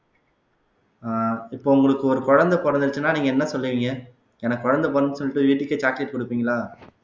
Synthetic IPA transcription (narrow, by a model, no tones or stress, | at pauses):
ɪpːoːʊŋɡɐɭɯkːɯɔɾɯkɔɻɐnd̪ɐpɔɾɐnd̪ɯɾɯt͡ʃːɯnːaːniːŋɡɐɛnːɐsɔlːɐʋiːŋɡɐ | ɛnɐkːɔɻɐnd̪ɐp̬ɔɾɐnd̪ɯsɔlːɪʈːɯʋiːʈːɪkːet͡ʃaːkleʈkʊɽɯpːiːŋɡɐlaː